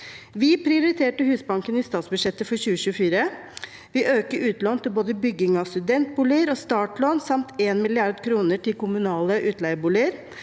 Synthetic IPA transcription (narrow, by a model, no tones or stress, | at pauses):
ʋɪpʰɾɪʊɾɪt̪ʰeːʈəhʉːsbɑŋkənɪst̪ɑːt̪sbʉʂɛt̪ːəfɔɾçʉːəɕʉːəfiːɾə | ʋɪʔøːkəɾʔʉːt̪loːnt̪ɪlboːd̪əbʏɡːɪŋɑst̪ʉd̪ɛnt̪̚buːlɪəɾɔst̪ɑːʈloːnsɑmt̪ʰeːnmɪlɪɑɾd̪kʰɾuːnəʈɪlkʊmʉnɑːləʔʉːt̪læɪəbuːlɪəɾ